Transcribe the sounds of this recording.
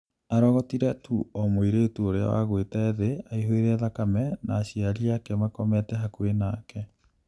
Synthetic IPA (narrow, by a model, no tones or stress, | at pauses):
aɾɔɣɔtiɾɛtʰuɔmoiɾetuoɾea̰wa̰ɣwetɛeðeaiɦoeɾɛðakamɛnaːɕiaɾiakɛmakɔmɛtɛɦakuenaːkɛ